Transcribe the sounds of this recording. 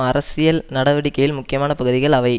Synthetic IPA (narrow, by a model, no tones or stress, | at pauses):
ɐɾɐsɪjɐlnɐɽɐʋɐɽɪkːɐjɪlmʊkːɪjɐmaːnɐpɐɣɯðɪɣɐɭɐʋɐɪ